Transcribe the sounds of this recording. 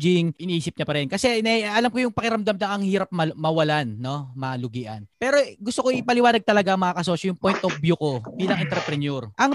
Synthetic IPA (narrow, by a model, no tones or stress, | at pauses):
d͡ʒɪŋʔɪniːsɪp̚ɲɐpɐɾɛnkɐsɛnɐɐlamkojʊŋpɐkɪɾɐmd̪ɐmd̪ɐŋɐŋhiːɾɐp̚mɐmɐwɐlanːo̞mɐlʊɡiːʔɐ̰npɛːɾo̞ɡʊst̪okoʔipɐlɪwaːnɐɡ̚t̪ɐlɐɡaʔɐŋmɐŋakɐso̞ːʃɐjʊŋpojnt̪ʔobjuko̞biːlɐŋʔɛnt̪ɛɾpɾɛnjoɾʔɐŋ